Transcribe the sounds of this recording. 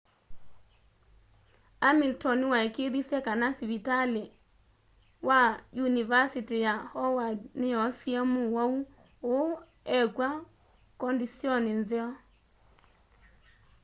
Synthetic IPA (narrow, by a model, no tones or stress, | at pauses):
amiltɔniwaekeðisɛkanasiβitale | wajunivasitijahɔwadneɔsiɛmuwau | o | ɛkwa | kɔndisjɔnenzɛɔ